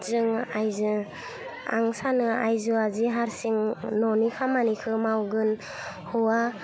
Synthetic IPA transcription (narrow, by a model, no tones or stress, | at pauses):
zɯŋajzɯ | a̰ŋsanɯa̰jzuaziɦaɾsiŋnɔnikʰamanikʰɯmawɡɯn | hɔwa